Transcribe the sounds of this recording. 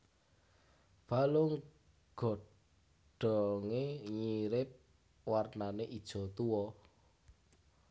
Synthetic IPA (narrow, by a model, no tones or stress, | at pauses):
b̥alʊŋ | ɡ̥ɔ̤ | ɖ̥ɔ̤ŋeɲiɾɪp̚ | warnaneʔid̥ʒ̥ɔ̤t̪uwɔ